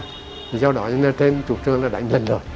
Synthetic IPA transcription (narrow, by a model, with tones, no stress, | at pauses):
t̪ʰi˨˩za˧wɗɔ̰˧˨˦ɲ˧na˧˩t̪ʰe˧mt͡ɕu˨˩p̚t͡ɕɨ˨˧˩əŋlaː˨˩ɗa̰˧˩jŋ̟lə˨˩ŋzo˨˩j